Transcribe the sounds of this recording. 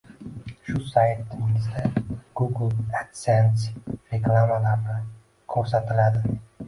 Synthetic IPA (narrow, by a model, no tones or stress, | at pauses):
ʃʊsajt̪ːɪɪzd̪aɡ̥uɡlˠat̪sensɾeklˠamalaɾnɪ | kʰɵɾsat̪ʰɪlad̪ɪ